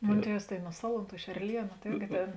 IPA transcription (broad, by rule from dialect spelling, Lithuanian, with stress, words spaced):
ˈmoːn ˈtʲiɛws tɐɪ nʊ ˈsɑːlˠʊˌntuː ɪʃ ɛrʲˈlʲiɛnʊ tɐ ɪrʲɡʲɪ ˈtʲeːn